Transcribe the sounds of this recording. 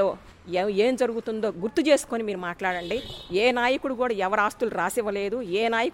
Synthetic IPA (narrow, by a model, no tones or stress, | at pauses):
oː | eːmd͡ʒɐɾuɡut̪und̪o̞ːɡuɾt̪ut͡ʃe̞ːsu̥koːnimiːɾumaːʈlaːɽɐɳɖieːnaːjɐkuɽukuːɽaːɛʋɐɾaːst̪uluɾaːsiʋɐle̞ːd̪ueːnaːjɐk